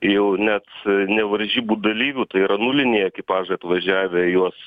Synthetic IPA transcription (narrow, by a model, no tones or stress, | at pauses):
jɛʊnʲæt̪nʲɛʋɐɾʲʒʲiːbuːd̪ɐlʲiːʋʲuːt̪ɐɪiɾɐnulʲɪnʲeːjɛkʲɪpɑːʒɐɪɐt̪ʋɐʒʲæːʋʲɛjuɔs